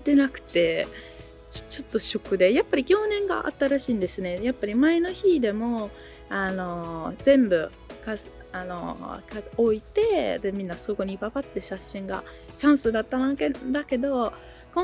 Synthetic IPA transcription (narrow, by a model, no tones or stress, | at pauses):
t̪e̞nakɯ̟̥t̪e̞̥ | t͡ɕo̞t̪ːo̞ɕo̞kɯ̟d̪e̞japːaɾʲikʲo̞ːnẽ̞ŋɡa̰ʔa̰t̪ːaɾaɕiːnd̪e̞sɨne̞japːaɾʲimae̞no̞çid̪e̞mo̞ | ano̞zẽ̞mbɯ̟ | kas | ano̞̰kaoit̪e̞d̪emʲĩnːasoko̞ɲ̟ibabat̪ːe̞ɕaɕːĩŋɡa̰ | t͡ɕãɰ̃sɨd̪at̪ːanaked̪ake̞d̪o̞ | kõ